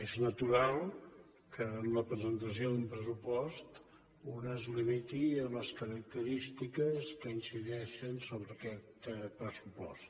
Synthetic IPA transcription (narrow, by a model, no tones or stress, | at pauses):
eznət̪uɾalˠ | kʰəːnləpɾəzənt̪əs̬ioðumpɾəs̬upɔst̪ | unəzlimit̪iəmləskəɾək̚t̪əɾist̪ikəskəinsiðɛʃənsoβɾəːkɛt̪pɾəsupɔ̰st̪